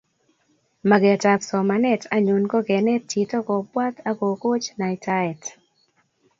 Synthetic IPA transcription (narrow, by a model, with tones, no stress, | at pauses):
ma˨ɡɛ˨ta˨psɔ˨ma˨nɛ˦tʰa˦ɲu˨nɡɔ˦ɡɛ˨nɛ˦ti˨tɔ˦ɡɔ˨pwa˦t̪ʰa˦ko˨ko˦t͡ʃna˨ɪtʰa˦ɛ˨t